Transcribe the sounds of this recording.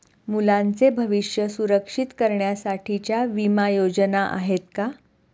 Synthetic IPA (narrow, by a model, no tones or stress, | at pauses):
mulãnt͡sebʱəʋiʂjəsuɾəkʂit̪kəɾɳjasaʈʰit͡ɕjaʋimajod͡ʑənaʔa̰ɦet̪ka